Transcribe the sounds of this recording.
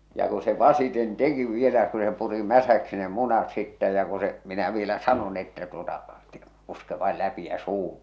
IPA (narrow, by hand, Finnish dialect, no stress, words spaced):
jɑ ku se ʋɑsiten teki ʋielæ ku se puri mæsæksi ne munɑt sitːæ jɑ ku se minæ ʋielæ sɑnon etːæ tuotɑ te̥ puske ʋɑil læpi jæ suːhum̥